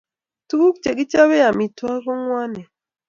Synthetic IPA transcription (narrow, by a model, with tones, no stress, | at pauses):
tu˦ku˦kt͡ʃe˨ki˦t͡ʃa˦we˦ja˨mi˨twa˦kɔ˦ŋwa˦nɛ˨